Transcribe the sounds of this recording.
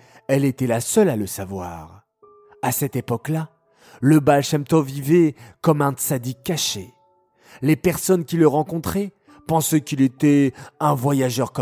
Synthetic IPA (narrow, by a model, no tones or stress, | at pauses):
ɛlet̪ɛlasœlaləsavwa̰ʁ | asɛt̪epɔkla | ləbalʃɛmt̪ɔvivɛkɔmɛ̃t̪sad̪ikːaʃe | lepɛʁsɔnkʲiləʁɑ̃kɔ̃t̪χɛ | pɑ̃sɛkʲilet̪ɛɛ̃vwajaʒœʁk